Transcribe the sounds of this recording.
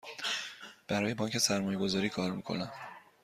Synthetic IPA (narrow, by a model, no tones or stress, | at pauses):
b̥æɾɒːje̞bɒːɲcʰe̞sæɾmɒːje̞ɡo̞zɒːɾiːkʰɒːɾmiːkʰo̞̰næm